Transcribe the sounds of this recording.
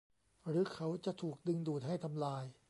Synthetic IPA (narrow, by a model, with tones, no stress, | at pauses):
ɾɯː˦˥kʰa˦˥wt͡ɕa˨˩ʔt̪ʰuː˨˩k̚dɯ˧ŋduː˨˩t̪̚ɦa˥˩jt̪ʰa˧mlaː˧j